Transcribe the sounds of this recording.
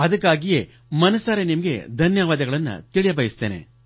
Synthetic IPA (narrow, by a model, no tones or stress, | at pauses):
ɐðɐkːaːɡije | mɐnɐsːaːɾenimɐɡḛd̪ʱɐnjɐʋaːd̪ɐɡɐɭɐnːɐ̰t̪iɭijɐbɐjist̪eːne̞̰